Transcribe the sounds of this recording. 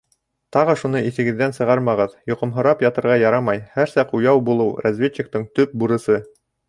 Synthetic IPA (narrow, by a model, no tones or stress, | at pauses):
t̪ɑʁɤʃunɤiθɘ̆ɡɘ̆ðːænsɤ̆ʁɑɾmɑʁɤðjŏqɤ̆mɦŏɾɑpjɑt̪ɤ̆ɾʁɑjɑɾɑmɑjhæɾsɑqujɑwbulˠɤwɾazvʲet͡ɕːɪk̚t̪ɤɴt̪ɵp̚buɾɤ̆sɤ